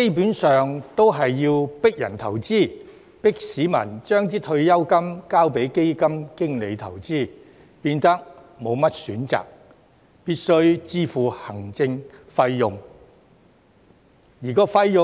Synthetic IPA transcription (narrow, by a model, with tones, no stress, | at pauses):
ke˥jpuː˨˥nsœː˨ŋt̪o˥wɦɐ˨jːiː˧wpɪ˥k̚jɐ̰˨˩nt̪ʰɐ˨˩wt͡siː˥˩ | pɪ˥k̚siː˨˥mɐ̰˨˩nt͡ʃœː˥ŋt̪iː˥t̪ʰɵ˧ɥjɐ˥wkɐ˥mkaː˥wpe˨˥jke˥jkɐ˥mkɪ˥ŋle˨˧jt̪ʰɐ̰˨˩wt͡siː˥ | piː˧nt̪ɐ˥k̚ | mo˨˧wmɐ˥t̚syː˨˥nt͡sa̰ː˨k̚ | piː˥t̚sɵ˥ɥt͡siː˥fuː˨˩hɐ˨˩ŋt͡sɪ˧ŋfɐ˧jjʊ˨ŋ | jiː˨˩kɔː˧fɐ˧jjʊ˨